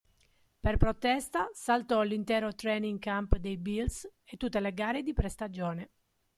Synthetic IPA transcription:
perpɾot̪ɛst̪asalt̪ɔlint̪ɛːɾot̪ɾɛniŋkampd̪ejbilset̪ːut̪ːeleɡaːɾed̪ipɾest̪ad͡ʒɔːne

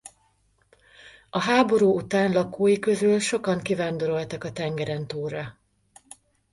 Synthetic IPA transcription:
ɒɦaːbo̞ɾuːut̪aːnlɒkoːjikø̞zylʃo̞kɒŋkivaːnd̪o̞ɾo̞lt̪ɒkɒt̪ɛŋɡɛɾɛnt̪oːrɒ

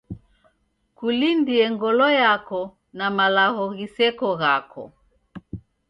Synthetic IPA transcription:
kulindiɛŋɡɔlɔjakɔ | namalaɣɔɣisɛkɔɣakʰɔ̰

